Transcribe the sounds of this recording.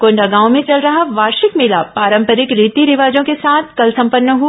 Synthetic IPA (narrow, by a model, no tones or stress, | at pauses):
kõɳɖɐɡãːõmẽt͡ʃɐlɾɐɦaʋaːɾʃɪkmɪlapaːɾə̃mpəɾɪkɾiːt̪iɾɪʋaːd͡ʒõkesaːt̪ʰkɐlsɐ̃mpənːəɦu